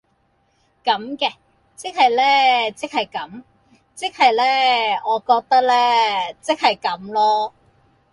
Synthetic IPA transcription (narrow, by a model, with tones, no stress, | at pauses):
kɐ˨˥mkɛː˧ | t͡sɪ˥k̚hɐ˨jlɛː˥t͡sɪ˥k̚hɐ˨jkɐ˨˥m | t͡sɪ˥k̚hɐ˨jlɛː˥ɔː˨˧kɔː˧k̚t̪ɐ˥k̚lɛː˥t͡sɪ˥k̚hɐ˨jkɐ˨˥mlɔː˥